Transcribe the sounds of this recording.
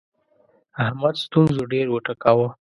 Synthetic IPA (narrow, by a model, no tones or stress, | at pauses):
ahmad̪st̪unzoɖeɾwəʈakawə